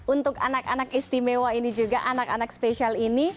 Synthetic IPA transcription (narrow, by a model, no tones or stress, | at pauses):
unt̪ʊkanakanakist̪imewainid͡ʒuɡaʔanakanakspeʃialini